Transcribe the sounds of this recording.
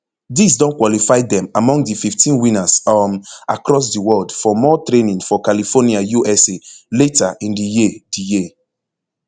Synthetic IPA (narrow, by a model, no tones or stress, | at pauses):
dis̬dɔ̃nkwɔlifaɪdɛ̃mamɔ̃ŋɡdififtʰĩnwĩnasamakɹɔs̬diwɔldfɔmɔtɹenĩŋfɔkalifɔniajuʔɛseletaʔĩndijidiji